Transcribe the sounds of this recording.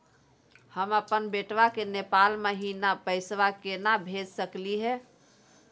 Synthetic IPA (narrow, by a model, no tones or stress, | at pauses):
həməpənbeʈʋakenepalməɦinapəɪsʋakenabʱed͡ʒsəkliɦɛ